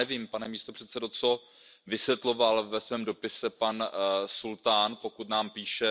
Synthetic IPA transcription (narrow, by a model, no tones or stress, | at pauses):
ɛviːmpanɛmiːst̪o̞pr̥ɛt̪sɛdo̞t͡so | vɪsjɛt̪lo̞valvɛsvɛːmdo̞pɪsɛpansult̪aːnpo̞kut̪naːmpiːʃɛ